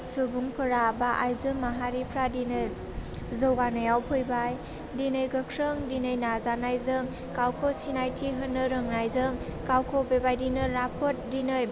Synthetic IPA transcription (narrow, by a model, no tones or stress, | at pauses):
subuŋpʰɯɾabaʔajzɯmːaɦaɾipʰɾadinɯj | zɯwɡanɯjawpʰɯjbaj | dinɯjɡɯkʰɾɯŋdinɯjnazanajzɯŋ | kawkʰosinajtʰiɦɯnɯɾɯŋnajzɯŋkawkʰɔbebajdinɯɾapʰɔt̚dinɯj